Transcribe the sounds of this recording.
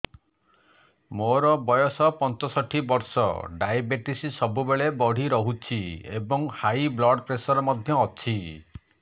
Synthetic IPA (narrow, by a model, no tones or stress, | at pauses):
moɾɔbɔjɔsɔpɔnt͡ʃɔsɔʈʰibɔɾsɔ̰ɖajabeʈisisɔbubeɭebɔɽ̤iɾɔɦut͡ʃʰiebɔŋhajblɔɖpɾesɔɾɔmɔd̪ʱjɔːt͡ʃʰi